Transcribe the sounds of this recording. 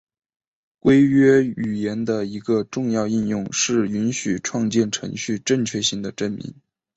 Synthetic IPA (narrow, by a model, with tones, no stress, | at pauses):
kwe˥ɪɥɛ˥y˨˩jɛ˧˥nd̪ə˧i˧˥ɡə˧ʈ͡ʂʊ˥˧ŋjɑ˥˧ʊi˥˧njʊ˥˩ŋʂɻ̩˥˩y˧˥nɕy˨˩ʈ͡ʂʰwɑ˥˧ŋt͡ɕjɛ˥˩nʈ͡ʂʰɤ̰˧˥ŋɕy˥˧ʈ͡ʂə˥˩ŋt͡ɕʰɥɛ˥˧ɕi˧˥ŋd̪ə˩ʈ͡ʂə˥˩nmḭ˧˥ŋ